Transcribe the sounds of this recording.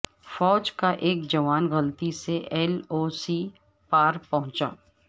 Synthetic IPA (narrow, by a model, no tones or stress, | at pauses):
fɔːd͡ʒkaʔeːkd͡ʒɐʋaːnɣɐlt̪iseʔɛːloːsi | paːɾpɐɦʊ̃t͡ʃa̰ː